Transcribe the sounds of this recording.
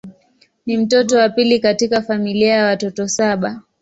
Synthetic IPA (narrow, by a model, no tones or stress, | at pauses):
nim̩tɔtɔwapilikatikafamiliajawatɔtɔsaɓa